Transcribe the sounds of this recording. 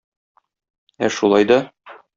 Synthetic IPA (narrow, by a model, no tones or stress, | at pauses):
æʃulˠɑjd̪ɒ